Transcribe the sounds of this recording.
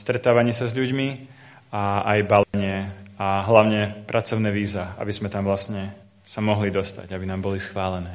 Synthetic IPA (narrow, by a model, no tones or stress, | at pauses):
st̪ɾɛt̪aːʋaɲɛsazʎuɟmi | aajbalɛɲɪɛaɦlaʊɲɛpɾʔat͡sɔʊnɛːʋiːzaa̰bizmɛt̪amʋlastɲɛ | samɔɦlid̪ɔst̪a̰ɟabinaːmbɔlisxʋaːlɛnɛː